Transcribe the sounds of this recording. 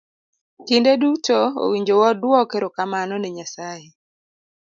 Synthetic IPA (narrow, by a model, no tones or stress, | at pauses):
kindedutoo̰wiɲd͡ʒowɔdwɔkeɾokamanɔneɲasaje